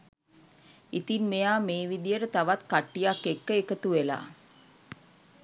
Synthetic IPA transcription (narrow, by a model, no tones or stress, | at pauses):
it̪inmejaːmeːʋid̪ijəɾət̪aʋat̪kaʈːijakːekːəekət̪uʋela̰ː